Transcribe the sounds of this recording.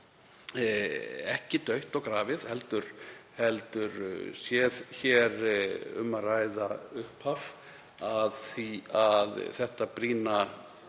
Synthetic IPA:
ɛhcɪt̪œɥht̪ɔɣkɾaːvɪðhɛlt̪ʏɾ̥hɛlt̪ʏɾsjɛðçɛɾʏ̰mːaraːjðaʏhpʰhaf | aðθiaðθɛht̪apɾiːna

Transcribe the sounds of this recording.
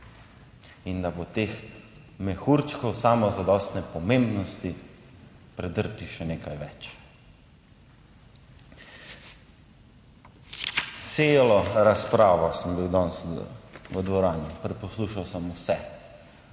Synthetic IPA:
ind̪abot̪eːx | mɛxuɾt͡ʃkɔwsaːmɔzad̪ɔst̪nɛpɔmẽmbnɔst̪i | pɾɛd̪əɾt̪iʃɛneːkajʋɛt͡ʃ | t̪seːlɔɾaspɾaːʋɔsəmbiwd̪ɔns | ʋəd̪ʋɔɾaːnjupɾɛpɔsluʃawsəmusɛ

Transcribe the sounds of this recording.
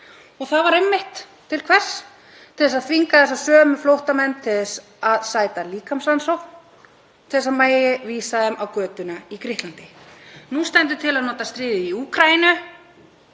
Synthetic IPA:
ɔɣθaðvaɾɛmːɪht̪ | t̪ʰːɪlkʰvɛr̥s | t̪ʰɪlðɛsaðθviŋkaθɛs̬asœːmɪflowht̪amɛnt̪ʰɪððɛs | aðsaːjt̪aliːkamsansowkn | t̪ʰɪɛsaðmaːjɪviːsaðɛmʔawkœːt̪ʏnaikɾɪht̪lant̪ɪnust̪ɛnt̪̬ʏt̪ʰɪlaðnɔːt̪ast̪ɾɪːðɪiuːkʰɾainʏ

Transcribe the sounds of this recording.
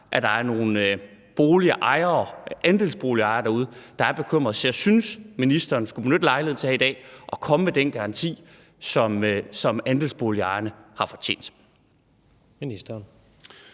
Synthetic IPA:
ʔæd̥ɑ̈æɐno̝ːn̩b̥o̝ːliʔɑ̈ɪɐʔænd̥e̝lsb̥o̝ːliɑ̈ɪɐd̥ɑ̈uð̞ˠd̥ɑ̈æɐb̥e̝kʰøm̰ʁɐðˠt͡sʰe̝ɐsynsminisd̥ɐːnsɡ̥ub̥enød̥əlɑ̈ɪlheð̰̩ˠt͡sʰe̝hæid̥ɛ̰ːʔɒ̽kʰɒ̽məmed̥enɡ̥ɑ̈ʁɑ̈nt͡sʰḭː | sɒ̽msɒ̽mænd̥elsb̥o̝ːliɑ̈ɪɐnəhɑ̈fɒ̽t͡ɕʰḛːn̰d̥ | minisd̥ɐn

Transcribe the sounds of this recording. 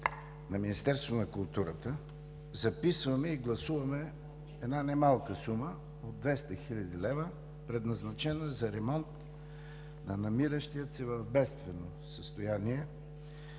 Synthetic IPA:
nɐminist̪ɛɾst̪vonɐkʊlˠt̪uɾət̪ə | zɐpisvɐmɛiɡlˠɐsuvɐmɛ | ɛd̪nanɛmalˠkəsumə | od̪ːvɛst̪əxilʲɐd̪ilɛvə | pɾɛd̪nɐznɐt͡ʃɛnəzɐɾɛmɔnt̪ | nɐnɐmiɾəʃt̪ijət̪sɛvɐvbɛst̪vɛno | səst̪ojaniɛ

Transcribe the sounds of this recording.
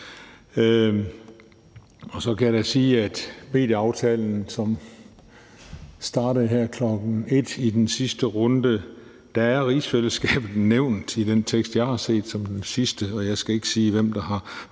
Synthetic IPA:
ɒ̽sɒ̽kʰæjaɾæsiːæd̥me̝̰ːd̥jəɑ̈ʊt͡sʰɛːln̩sɒ̽m | sd̥ɑ̈ːɾəð̩ˠɦeɐ̰kʰlɒ̽ɡ̥n̩e̝d̥id̥ensisd̥əʁɔ̽nd̥ə | d̥ææɐʁiːsfel̰əsɡ̥ɛːb̥ð̩ˠneʊ̰nd̥id̥ent͡sʰeɡ̥sd̥jɑ̈ɪhɑ̈se̝̰ːd̥sɒ̽md̥ensisd̥əɒ̽jɑ̈ɪsɡ̥æe̝ɡ̥ə̥siːʋem̰d̥ɑ̈ɦɑ̈

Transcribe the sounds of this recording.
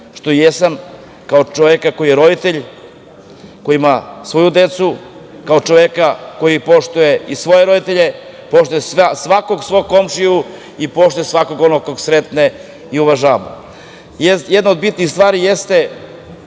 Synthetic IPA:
ʃt̪o̞jesam | kaot͡ʃoʋekako̞jijeɾo̞d̪it̪eʎ | ko̞jiimasʋo̞jud̪e̞t̪su | kao̞t͡ʃo̞ʋekako̞jipo̞ʃt̪uje̞isʋo̞je̞ɾo̞d̪it̪e̞ʎe̞ | po̞ʃt̪ujessʋako̞ɡsʋoko̞mʃiu | ipo̞ʃt̪ujesʋakoɡonokoɡsɾet̪ne | iuʋaʒaːʋa̰ | jjed̪naod̪bit̪nixst̪ʋaːɾijest̪e̞

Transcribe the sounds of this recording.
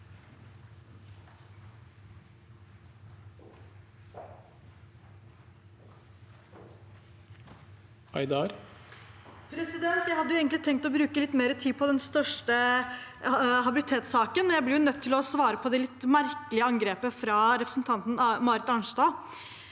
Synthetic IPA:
ɑɪd̪ɑɾ | pʰɾɛsɪd̪ɛnt̪jæɪhɑd̪ːʊeːɡən̩lɪt̪ʰɛŋk̪t̪ɔbɾʉːkəlɪt̪ːmeːɾət̪ʰiːpʰɔd̪ɛnst̪œʂʈə | ɦɑbɪlɪt̪ʰeːt̪sɑːkənmɛnjæɪblɪɾjʊnœt̪ʰːɪlɔsʋɑːɾəpʰɔd̪ɛlɪt̪ːmæɾkəlɪəɑŋɡɾeːpəfɾɑːɾɛpɾəsn̩t̪ʰɑnt̪n̩ɑmɑːɾɪt̪ɑnʂd̪ɑː

